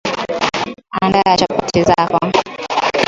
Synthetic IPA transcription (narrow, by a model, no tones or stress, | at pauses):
andajat͡ʃapatizaka